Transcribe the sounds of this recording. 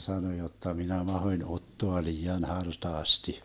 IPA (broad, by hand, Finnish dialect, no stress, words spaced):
sɑno jotːɑ minæ mɑhoĭn otːoɑ liːɑn hɑrtɑːsti